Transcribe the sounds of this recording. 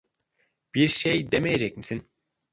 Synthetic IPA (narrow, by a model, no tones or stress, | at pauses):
b̥iɾʃejd̪emejed͡ʒɛc̚misin